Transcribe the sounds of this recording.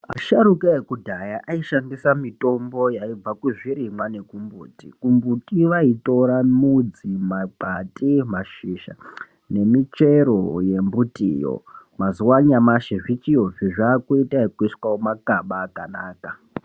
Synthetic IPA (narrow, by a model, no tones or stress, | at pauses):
a̰ʃaɾukaekudʱajaʔaiʃandisamito̞mbo̞jaib͡vakuʐiɾimwane̞kumbuːtḭkumbutiʋaito̞ɾamud͡zimaɡʱatʼimaʃiʃa̰ | ne̞mit͡ʃe̞ɾo̞je̞mbutʼḭːjo̰mazuwaɲamaʃeʐit͡ʃijoʐiʐaːkoitaikiswawomakaɓaːkanaːka